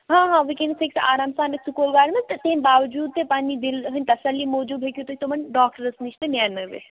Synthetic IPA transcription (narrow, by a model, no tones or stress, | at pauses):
ɦãːɦãːʋikẽnɖseksaːɾaːmsaːnɐksʊkoːlʋaːɽmɐ̃t̪ɐt̪ɐɦĩmbaːʋd͡ʒuːd̪̚t̪ʰepãːɲd͡ʑĩd̪ɪlɦɐnʲt̪ɐsəlːimoːd͡ʒuːbʱeːkʰijot̪ʰoːɦit̪omɐnɖaːk̚ʈəɾəsniʃt̪enjaːnɐʋḛ